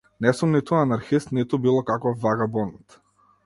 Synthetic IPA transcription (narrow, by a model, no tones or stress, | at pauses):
nɛsumnit̪uanaɾxist̪nit̪ubilˠɔkakɔfːaɡabɔnt̪